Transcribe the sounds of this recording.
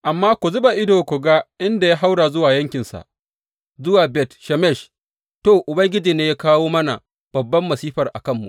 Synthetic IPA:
ʔa˨mːaː˦kʷu˨zʊ˦ba˨ʔɪ˦doː˨kʷu˨ɡa˦ʔɪ˦nda˨ja˦ɦa˦wɽa˨zʊ˦waː˨jɐ˦ŋkʲɪ˨nsa̰˨ʔ | zʊ˦waː˨bɛ˦tʃɛ˨mɛ˦˨ʃ | toː˨ʔʊ˨bɐ˦ŋɡʲɪ˦d͡ʒiː˨neː˦jaː˦kaː˦woː˦mɐ˦na̰˨ | b̥ɐ˨bːɐ˦mːɐ˨siː˦ɸɐ˨rʔa̰˨kɐ˦˨mːṵ˨ʔ

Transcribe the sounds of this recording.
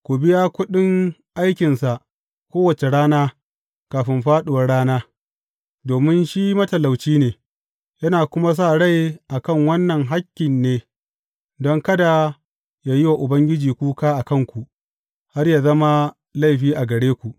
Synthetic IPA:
kʷu˨bɪ˦jaː˦kʷʊ˦ɗɪ˦ŋʔa˦jkʲɪ˨nsa˨ʔ | kʷoː˦wɐ˨t͡ʃe˨ɽaː˦naː˦ | kaː˨ɸɪ˦mɸaː˦ɗʊ˨wɐ˨˦rɽaː˦naː˦ | doː˨mɪ˦nʃi˦mɐ˦tɐ˨la˨wt͡ʃiː˦neː˨ | jɐ˦naː˨kʷʊ˦ma˦s̬a˦˨ɽa˦˨jʔa˨kɐ˦˨ŋwɐ˦nːɐ˨ŋɦa˦kʲːɪ˨nːeː˦ | dɔ˦ŋkɐ˦da˨ | jaː˨jɪ˦wa˨ʔʊ˨bɐ˦ŋɡʲɪ˦d͡ʒiː˨kʷuː˦kaː˦ʔa˨kɐ˦˨ŋkʷu˨ʔ | ha˦rjaː˨zɐ˦ma˦ | la˦jɸiː˦ʔa˨ɡɐ˨ɽeː˦kʷu˨ʔ

